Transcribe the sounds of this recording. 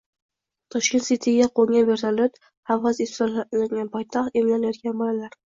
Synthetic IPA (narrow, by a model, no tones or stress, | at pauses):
t̪ʰɒʃkʲent̪sit̪ʰiɡʲaqʰoŋɡʲanve̞ɾt̪ʰalot̪ | hawʁɑzesalaŋʲanpʰɒjt̪ʰaχt̪emlanjt̪kʲanbolalaɾ